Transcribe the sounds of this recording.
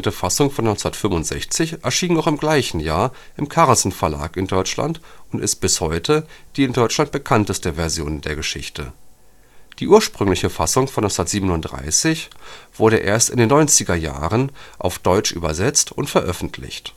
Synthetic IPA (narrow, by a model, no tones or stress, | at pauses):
təfasʊŋfɔnːɔʏnt͡snɐtfʏmʊntz̥ɛ̰çt͡sɪçʔɛɐʃiːnaʊxɪmɡlaɪçn̩jaːɐʔɪmkʰaʁlsn̩fɛɐla̰ːkɪndɔʏt͡ʃla̰ntʊntɪ̰st̚b̥ɪshɔʏtʰəd̥iːɪndɔʏt͡ʃlant̚b̥əkʰantəstəvɛɐzjo̰ːnəndeːɐɡəʃɪçtʰə | d̥iːʔuːɐʃpʁ̥ʏŋlɪçəfasʊŋfɔnɔsnɐtz̥iːbənʊntd̥ʁa̰ɪsɪçv̥ʊɐɾəʔḛːɐstɪ̰ndeːnːɔʏnt͡sɪɡɐja̰ːʁənʔa̰ʊfd̥ɔʏt͡ʃʔy̰ːbɐ̰zɛt͡stʊntfɛɐʔœfn̩tʰlɪ̰çt